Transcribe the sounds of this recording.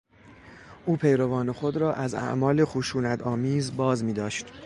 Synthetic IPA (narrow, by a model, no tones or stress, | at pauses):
ʔuːpʰe̞jɾovɒːnexo̞d̪ɾɒːʔæzæ̰ʔmɒːlexuʃuːnæt̪ʰɒːmiːzbɒːzmiːd̪ɒːʃt̪